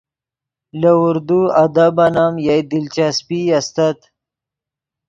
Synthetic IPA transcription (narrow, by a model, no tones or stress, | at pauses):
lɐuɾd̪uad̪abanamjajd̪ilt͡ʃaspiast̪at̪